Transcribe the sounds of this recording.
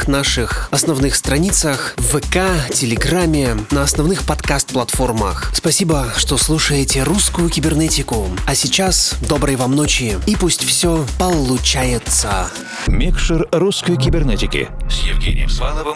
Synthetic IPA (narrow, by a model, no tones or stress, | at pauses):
knaʂɨxɐsnɐvnɨxst̪ɾɐnʲit̪səxvɛkatʲɪlʲɪɡramʲːɪnəɐsnɐvnɨxpɐt̪kast̪̚plˠɐt̪fo̞rmə̰xspɐsʲibəʂt̪oslˠuʂəjɪtʲɪɾuskʊjʊkʲɪbʲɪrnɛtʲɪkʊɐsʲɪt͡ɕasd̪o̞bɾəjvamnot͡ɕɪipusʲtʲfsʲopəlˠʊt͡ɕajɪt̪sə | mʲɪkʂɨrɾuskəjkʲɪbʲɪrnʲɛtʲɪkʲɪ̰sjɪvɡʲḛnʲɪ̰jəmsvanəvəm